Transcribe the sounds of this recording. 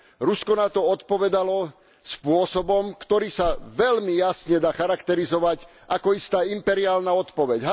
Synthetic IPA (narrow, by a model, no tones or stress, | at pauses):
ɾuskɔnat̪ɔɔt̪pɔʋɛd̪alɔ | spʊɔsɔbɔmkt̪ɔɾiːsaʋɛʎmijasɲɛd̪aːxaɾakt̪ɛɾizɔʋaɟ | ʔakɔist̪aːimpɛɾiaːlnaɔt̪pɔʋɛɟɦa